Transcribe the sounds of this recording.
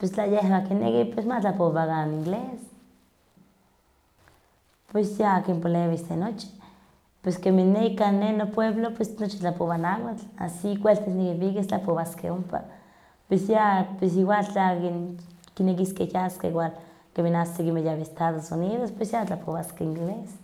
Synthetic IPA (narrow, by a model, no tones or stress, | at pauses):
pwest͡ɬajehbakinḛkipwesmat͡ɬapoβakaniŋɡles | pwesjaakimpoleβisenot͡ʃi̥ | pweskeminːeikanːenopweβlopwesnot͡ʃit͡ɬapoβanawat͡ɬa̰sikwelt̪esnikipikest͡ɬapoβaskḛumpa̰ | pwesjapwes̬iwalt͡ɬakinkinekiskejaskewal | keminasikimejaβeest̪aðosuniðospwesjat͡ɬapoβaskeiŋɡles